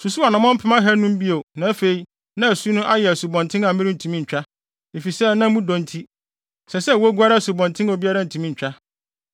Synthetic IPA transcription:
su˨su˦a˨nã˨˦mɔ̃˦m̩˦pʰɪ˦mã˦ɦɛ˦nʊ̃˦m˦bi˦o˨nã˨˦fe˨i˦ | nã˦æ˨su˦nʊ̃˦ʔa˦jɛ˨æ˨su˨bɔ̃˨ntʰɪ̃˦na˨mɪ̃˦ɾɪ˦n̩˨tʰũ˨mĩ˦ɲ̩˨t͡ɕᶣa˦ | e˨fi˨sɛ˦˨nã˦m˦ũ˦dɔ̃˨n˦tʰi˦ | sɛ˨sɛ˦˨wɔ˦ɡʷa˦ɾa˦˨su˨bɔ̃˨ntʰɪ̃˦no˨bi˦a˦ɾa˦n̩˨tʰũ˨mĩ˦˨t͡ɕᶣa˦

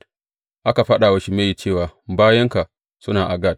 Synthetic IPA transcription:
ʔa˦ka˨ɸa˦ɗa˨wɐ˦ʃi˦me˦ji˨t͡ʃeː˦˨waː˨baː˦jɐ˦ŋka˨ | sʊ˦naː˨ʔa˨ɡa˦˨d̚

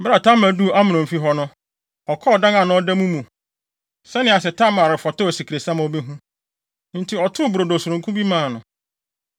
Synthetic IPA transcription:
bɾa˨tʰã˦mæ˨du˦˨ʔa˦mɪ̃˨nʊ̃˨m̩˨fi˦ɦɔ˦nʊ̃˦ | ɔ˨kʰɔ˦˨dã˦ŋã˨nʊ̃˦ɔ˦dɛ˦mũ˦mũ˨ | sɛ˦nɪ̃˨˦a˨s̬ɛ˨tʰã˦mã˨ɾɪ˨fɔ˨tʊ˦ɔ˨si˨kʰɾe˨sã˦m˨ɔ˨bi˦ɦũ˦ | n̩˨tʰɪ˦ɔ˨tʰʊ˦bɾo˨do˨sʊ˨ɾʊ̃˨ŋ˨kʰũ˦bi˦mãː˨nʊ̰̃˨

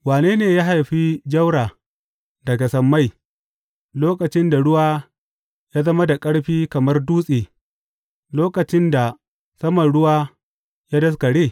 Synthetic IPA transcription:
waː˨neː˦neː˨ja˦ɦa˨jɸi˦d͡ʒɐ˦wɽaː˨ | dɐ˨ɡa˨sɐ˨mːa˦˨j | loː˦kɐ˨t͡ʃɪ˦nda˨ɽʊ˦waː˦ | jaː˦zɐ˦ma˦da˨kʼɐ˦ɽɸiː˦kɐ˨mɐ˦rduː˦sʼiː˨ | loː˦kɐ˨t͡ʃɪ˦nda˨ | sɐ˦mɐ˨nɽʊ˦waː˦ | ja˦dɐ˦s̬kɐ˨ɽeː˦˨

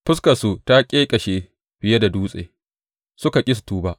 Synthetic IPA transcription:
ɸʊ˦skɐ˨su˨ta˦kʲʼeː˦kʼɐ˨ʃeː˨ | b̥ɪ˨je˦da˨duː˦sʼḛ˨ | sʊ˦ka˨kʲʼɪ˦s̬u̥˨tuː˦ba˦

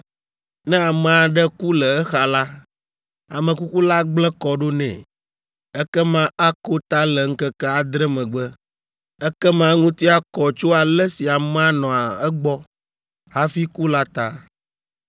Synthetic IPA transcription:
nɛ̃˦a˨mɛ˨a˨ɖɛ˦ku˦lɛ˨ɛ˦xa˨la˦ | a˨mə̃˨ku˦ku˦la˦ɡ͡blɛ˦kɔ˨ɖo˦nɛ̰̃˨ | ɛ˦kɛ˦mã˦a˦ko˦t̪a˦lɛ˨ŋ̩˦kɛ˦kɛ˦a˨d̪ɾɛ˦mɛ̃˨ɡ͡bə˦ | ɛ˦kɛ˦mã˦ŋũ˦t̪i˦a˦kɔ˨t͡ʃo˦a˨lɛ˦si˨a˨mɛ̃˦a˦nɔ̃˨a˨ɛ˦ɡ͡bɔ˦ | ɦa˦fi˦ku˦la˦t̪a˦

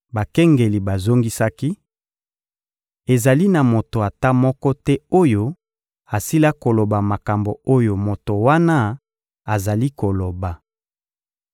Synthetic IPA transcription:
ba˨kɛ˦ŋɡe˨li˨ba˨zo˦ŋɡi˦sa˦ki˦ | e˨za˨li˦na˨mo˨to˨a˨ta˦mɔ˦kɔ˦tɛ˦o˦jo˦ | a˨si˦la˦ko˨lo˨ba˨ma˨ka˨mbo˨o˦jo˨mo˨to˨wa˦na˦ | a˨za˨li˦ko˨lo˨ba˨

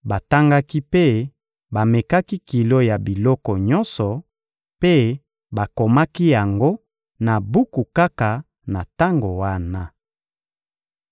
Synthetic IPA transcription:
ba˨ta˦ŋɡa˦ki˦pe˦ | ba˨me˨ka˦ki˦ki˨lo˦ja˨bi˨lɔ˦kɔ˨ɲɔ˦nsɔ˨ | pe˦ | ba˨ko˨ma˦ki˦ja˨ŋɡo˦ | na˨bu˦ku˨ka˦ka˨ | na˨ta˦ŋɡo˨wa˦na˦

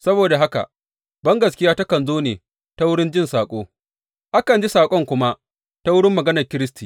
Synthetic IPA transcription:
sɐ˦boː˨da˨ɦa˦ka̰˨ʔ | bɐ˦ŋɡɐ˨skʲɪ˦jaː˦ta˦kɐ˨nzoː˦neː˨ | ta˦wʊ˦ɽɪ˦nd͡ʒɪ˦˨nsaː˨kʷʼoː˦ | ʔa˦kɐ˨nd͡ʒi˦saː˨kʷʼɔ˦ŋkʷʊ˦ma˦ʔ | ta˦wʊ˦ɽɪ˦mːɐ˨ɡɐ˦nɐ˨rkʲɪ˦ɾɪ˦stiː˨

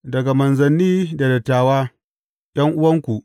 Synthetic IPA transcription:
dɐ˨ɡa˨mɐ˨nzɐ˨nːiː˦da˨dɐ˨tːaː˨waː˦ | ɗ̰ɐ˦ŋʔʊ˦wɐ˦ŋkʷu˨ʔ

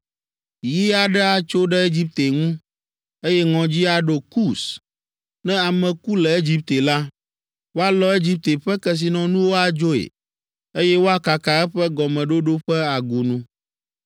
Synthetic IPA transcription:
ji˦a˨ɖɛ˦a˨t͡ʃo˦ɖɛ˦e˦d͡ʑi˦p̚t̪e˨ŋũ˦ | e˦jɛ˦ŋɔ̃˨d͡ʑi˦a˨ɖo˨ku˦s | nɛ̃˦a˨mɛ̃˨ku˦lɛ˨e˦d͡ʑi˦p̚t̪e˨la˦ | wo˦a˦lɔ˦e˦d͡ʑi˦p̚t̪e˨ɸɛ˦kɛ˦s̬i˨nɔ̃˨nũ˦wo˦a˨d͡ʒo˦ḛ˨ | e˦jɛ˦wo˦a˦ka˨ka˨ɛ˦ɸɛ˦ɡɔ˨mɛ̃˨ɖo˦ɖo˦ɸɛ˦a˨ɡu˨nũ˦

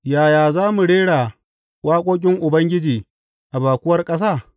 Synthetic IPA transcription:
jaː˨jaː˨zaː˦mu˨ɽeː˦ɽaː˨ | wʔaː˦kʷʼoː˦k̬ʲʼɪ˦ŋʔʊ˨bɐ˦ŋɡʲɪ˦d͡ʒiː˨ | ʔa˨baː˨kʷʊ˦wɐ˦rkʼɐ˦s̬aː˦˨

